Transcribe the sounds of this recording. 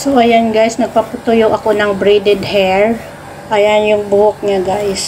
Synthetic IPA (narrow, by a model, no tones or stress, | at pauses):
soʔɐjanɡajsnɐɡ̚pɐpʊt̪ojoʔɐko̞nɐŋbɾid̪ɛd̪hɛɹ | ʔajanjʊŋbʊhok̚ɲaɡajs